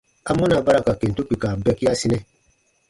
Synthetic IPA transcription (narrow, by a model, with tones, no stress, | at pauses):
a˨mũ˦na˨ba˦ɾa˨ka˨ke˨n˨tu˦k͡pi˨ka˨bɛ˧ki˦a˦si˦nɛ̃˦